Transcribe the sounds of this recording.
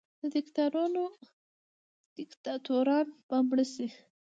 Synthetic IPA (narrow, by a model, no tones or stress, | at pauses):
d̪̥əd̪ɪkt̪aɾuno | d̪̥ɪkt̪ɑt̪uɾɑnbambɽəsi